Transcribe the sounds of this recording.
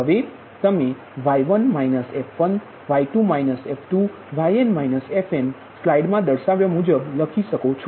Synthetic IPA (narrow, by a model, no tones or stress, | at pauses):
ɦəʋe | t̪əme | ʋajʋənmajnəsɛfʋən | ʋaiʈumajnəsefʈu | ʋajenmajnəsɛfem | slaiɖmãd̪əɽʃaʋjomud͡ʒəbləkʰiʃəkot͡ʃʰo